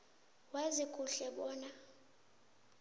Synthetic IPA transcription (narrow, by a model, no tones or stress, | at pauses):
wazikʼuɬɛɓɔːna